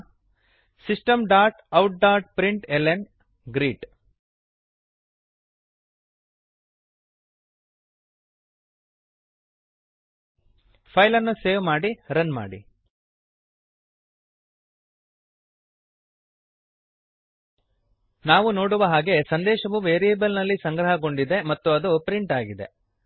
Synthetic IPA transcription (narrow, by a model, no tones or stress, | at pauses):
sisʈɐmɖaːɾʈɐwʈ̚ɖaːɾʈ̚pɾiɳʈelen | ɡɾiːʈ | pʰɐjlɐnːuseːʋmaːɽiɾɐnma̰ːɽḭ | naːʋuno̞ːɽuʋɐɦaːɡe̞sɐnd̪ɛːʃɐʋuʋeːɾijeːbɐlnɐlːisɐŋɡɾɐɦɐɡo̞ɳɖid̪e̞mɐt̪ːuɐd̪upɾiɳʈaːɡid̪e̞